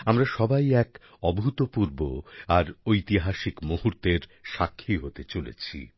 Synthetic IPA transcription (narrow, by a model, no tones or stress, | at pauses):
amɾaʃɔbajɛk | ɔbʱut̪opuɾboaɾojt̪iɦaʃikmohuɾt̪eɾʃakʰːiɦot̪et͡ɕolḛt͡ɕʰḭ